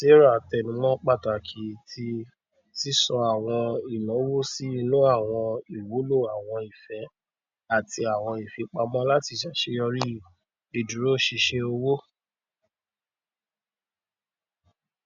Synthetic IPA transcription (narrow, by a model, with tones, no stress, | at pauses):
se˦ɾa˦˨tɛ˨nũ˨˦mɔ̃˦k͡pa˦˨ta˨kʰi˨˦tʰi˧ | si˦sɔ˧a˨w̃ɔ̃˧i˨lɔ̃˨˦wo˦si˦i˧lo˦a˦˨w̃ɔ̃˧i˨wo˨˦lo˦˨a˨w̃ɔ̃˧i˨fɛ˨˦ | a˦˨ti˧a˨w̃ɔ̃˧i˨fɛ˨˦k͡pa˧mɔ̃˦la˦ti˧˨ʃɛ˨ʃe˧jɔ˧ɾi˦ | e˨du˨ɾo˦˨ʃi˧ʃe˧o˧wo˦